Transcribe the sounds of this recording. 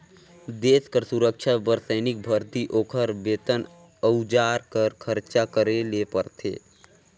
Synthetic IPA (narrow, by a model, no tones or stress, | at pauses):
d̪eːskəɾsuɾəkʃʰabəɾsəːnɪk̚bʱəɾt̪iʔoːkʰəɾbeːt̪ən | əud͡ʒaːɾkəɾkʰəɾt͡ʃakəɾelepəɾt̪ʰḛː